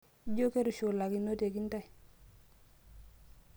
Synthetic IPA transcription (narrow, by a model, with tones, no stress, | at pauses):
ɟo˦ke˦ɾu˨ʃu˨la˨ki˨no˦te˨ki˦n˦ta˦j